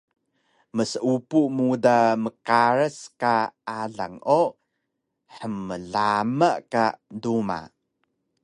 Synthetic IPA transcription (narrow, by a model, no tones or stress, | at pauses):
məsəupumudaməkaɾəskaaɮa̰ŋʔo | ħəməɮaməʔkaduma̰